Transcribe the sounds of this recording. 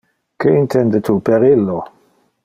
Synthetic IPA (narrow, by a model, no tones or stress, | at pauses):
keint̪ʰɛnd̪ət̪ʰupeɾilːo